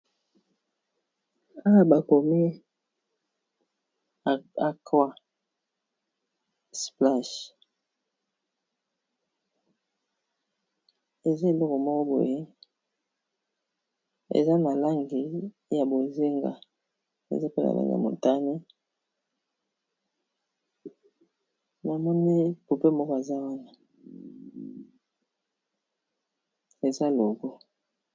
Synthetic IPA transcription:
a˦a˨ba˨ko˨me˦˨ | a˨kʰwa˦ | spla˦˨ʃ | e˨za˦e˨lɔ˦ko˨mɔ˦o˦bo̰˨je˦ | ḛ˨za˦na˨la˦ŋɡi˨ | ja˨bo˨zi˦ŋɡa̰˨ | ḛ˨za˦pe˦na̰˨la̰˦ŋɡḭ˨a̰˨mo̰˨ta˦ne˦ | na˨mɔ˦ni˦po˨pe˦mɔ˦kɔ˦e˨za˦wa˦na˦ | e˨za˦lo˨ɡo˦

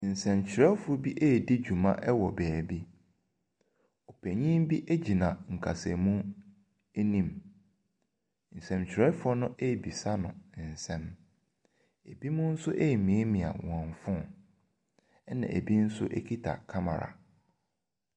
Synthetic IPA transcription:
n̩˨sɛ̃˨mt͡ɕʰɪ˨ɾɛ˦fʊ˦ɔ˦bi˦ʔe˦˨di˦d͡ʑu˨mã̰˦ʔɛ˦wɔ˨bæː˨bi˦ | ɔ˨pʰæ˨ɲĩ˦m˦bi˦ʔe˦d͡ʑi˨nã˨ŋ̩˨kʰa˨sḛ˨mũ˦ | e˦nĩ˦m | n̩˨sɛ̃˨mt͡ɕʰɪ˨ɾɛ˦fʊ˦ɔ˦nʊ̃˦e˦˨bi˨sa˦nʊ̃˨n̩˨sɛ̃˦m | e˨bi˦mʊ̃˦n̩˦sʊ˦ʔe˦ji˨mĩː˨˦mɪ̃˨a̰˨wɔ̃˨n˨fʊ̃˦ | nã̰˨ʔe˨bi˦n̩˦sʊ̰˦ʔe˦kʰi˦tʰa̰˨kʰa˦ma̰˨ɾa̰˨

